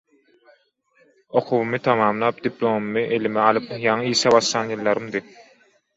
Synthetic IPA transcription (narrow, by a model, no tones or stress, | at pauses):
o̞qʰuβumɯt̪ʰɑmɑːmlˠɑːp̚d̪̥iplˠomumɯʔelimɛɑlˠɯpjɑŋɯiːʃɛβɑʃlˠɑːnjɯlˠːɑɾɯmd̪ɯ